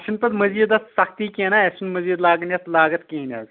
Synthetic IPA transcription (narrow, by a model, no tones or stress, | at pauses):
ʃɐnpɐd̪mɐziːd̪ɐst̪sɐkt̪iːkenɐeʃɐnmɐziːd̪laːɡnjɐt̪laːɡɐt̪kinɐ̰ːɡ